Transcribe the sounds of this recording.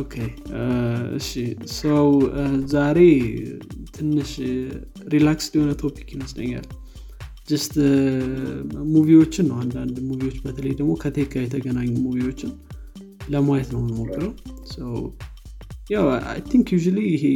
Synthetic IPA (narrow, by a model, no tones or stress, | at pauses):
okʰej | ɨ̰ʃisəwzaɾe̞ | t̪ʰɨnːɨʃ | ɾilaksd̪iho̞nət̪ʰo̞pi̥kːjɪməslə̰ɲːa̰l | d͡ʒɪst̪ | muviwo̞t͡ʃːɪnːəwand̪and̪muvio̞t͡ʃːbət̪ʰələjd̪əɡmo̞kʰət̪ʰekʰʼːajɛt̪ʰəɡənaɲːumuviwo̞t͡ʃːɪn | ləmajɛt̪nəwnəmokʰːɨɾəwsəw | jawa̰jt̪ʰiŋkjuʒuliɪɦe